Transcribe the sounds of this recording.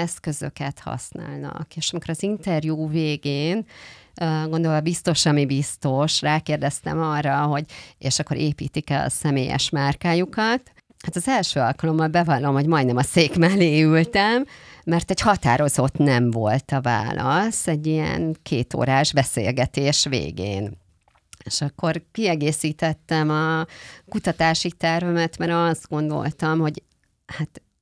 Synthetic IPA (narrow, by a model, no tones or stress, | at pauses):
ɛskø̞zø̰kɛt̪hɒ̰sna̰ːlnɒ̰keːʃɒmiko̞ɾɒzint̪ɛrjuːveːɡeːn | ɡond̪olɒbist̪o̞ʃɒmibist̪o̞ʃraːkeːrd̪ɛst̪ɛ̰mɒrːɒɦo̞ɟeːʃɒkːo̞ɾʔeːpḭːt̪ikɛ̰sɛmeːjɛ̰ʃmaːrkaːjukɒt̪ | hat̪ɒzɛlʃøːɒlkɒlo̞mːɒlbɛvɒlːo̞mho̞ɟmɒjd̪nɛmɒseːkmaːleːylt̪ɛmːɛrt̪ɛɟhɒt̪a̰ːɾo̞zo̞t̪nɛɱvo̞lt̪ɒva̰ːlɒsɛɟːiɛ̰nkʰeːt̪o̰ːɾaːʒbɛsḛːlɡɛt̪eːʃvḛːɡḛːn | eʃɒkːo̞rkiɛɡeːsiːt̪ɛt̪ːɛmɒkut̪ɒt̪aːʃit̪ɛrvɛmɛt̪mɛɾɒzd̪̚ɡo̞nd̪o̞̰lt̪ɒmho̞ɟ | hat̪